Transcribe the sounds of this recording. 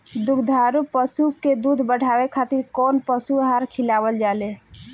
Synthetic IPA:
d̪uɡd̪ʱaɾupəsuked̪ud̪ʱbəɽ̤ʱabekʰat̪iɾkonpəsuɦaɾkʰilabəld͡ʒale

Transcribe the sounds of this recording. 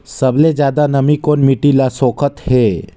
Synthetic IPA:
səbled͡ʒjaːd̪anɐmikoːnmiʈilasoːkʰət̪heː

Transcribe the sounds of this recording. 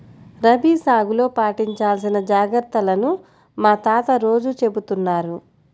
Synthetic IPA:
ɾɐbiːsaːɡulo̞ːpaːʈiɲt͡ʃaːlsinɐd͡ʒaːɡɐɾt̪ːɐlɐnu | maːt̪aːt̪ɐɾo̞ːd͡ʒut͡ʃe̞but̪unːaːɾu

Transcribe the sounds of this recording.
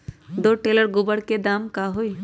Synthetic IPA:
d̪oʈeləɾɡubəɽked̪amkaɦoj

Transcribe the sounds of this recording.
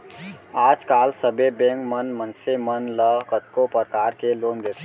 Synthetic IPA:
aːd͡ʒkaːlsəbebẽːŋkmənmənsemənləkət̪̚kopəɾkaːɾkeloːnd̪et̪ʰ

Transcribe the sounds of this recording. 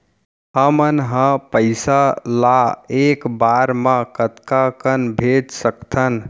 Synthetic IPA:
ɦəmənɦə̃pəɪsalaekbaɾmãkət̪kakənbʱed͡ʒsəkt̪ʰən

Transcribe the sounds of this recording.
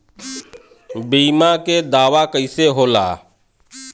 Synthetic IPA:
biːmãked̪aːʋakəɪseɦoːla̰ː

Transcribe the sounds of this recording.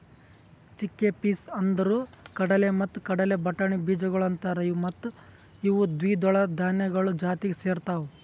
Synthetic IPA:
t͡ʃikːepiːsɐnd̪ɐɾuːkɐɽɐlemɐt̪ːu̥kɐɽɐle̞bɐʈːɐɳibiːd͡ʒɐɡɐɭɐnt̪ɐɾɐjumɐt̪ːu | iʋud̪ʋiːd̪ɔɭɐd̪ʱaːnjɐɡɐɭud͡ʒaːt̪iɡeseːɾt̪aːʋu

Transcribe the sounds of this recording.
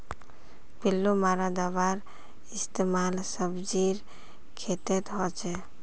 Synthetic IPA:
pilːomaɾad̪abaɾ | ɪst̪emalsəbd͡ʒiɾ | kʰet̪et̪ɦɔt͡ʃʰɛ

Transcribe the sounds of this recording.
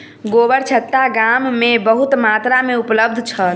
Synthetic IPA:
ɡoʋəɾt͡ʃʰət̪ːaɡamːebəɦut̪mat̪ɾameupləb̚d̪ʱt͡ʃʰəl

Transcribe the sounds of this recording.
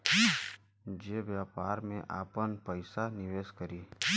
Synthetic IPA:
d͡ʒeːʋjaːpaːɾmḛ̃ʔa̰ːpənpəɪsanɪʋeːskəɾiː

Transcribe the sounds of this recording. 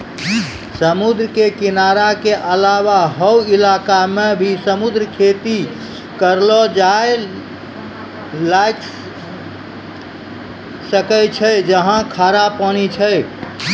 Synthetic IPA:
səmud̪ɾəkekinaɾakeʔəlawaɦɔwilakamebʱisəmud̪ɾkʰet̪i | kəɾlɔd͡ʒae | lajk | səkət͡ʃʰəd͡ʒəɦãkʰaɾapənit͡ʃʰəj

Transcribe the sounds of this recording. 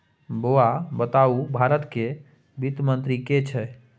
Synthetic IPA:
boabət̪aubʱaɾət̪ke | bit̪mənt̪ɾiket͡ʃʰɛ

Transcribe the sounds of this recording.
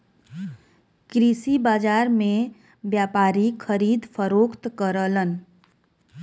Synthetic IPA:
kɾisibaːd͡ʒaːɾmẽ | bjaːpaːɾikʰəɾiːd̪pʰəɾoːkt̪kəɾələn

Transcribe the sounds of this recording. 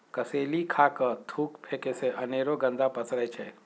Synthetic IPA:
kɐseːlikʰaːkət̪ʰuːkpʰeːkeseʔɐneːɾoɡə̃nd̪apɐsɾəet͡ʃʰe

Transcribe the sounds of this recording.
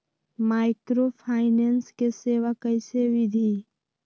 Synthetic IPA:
maːɪkɾopʰaːɪnenskeseːʋakəɪseʋɪd̪ʱi

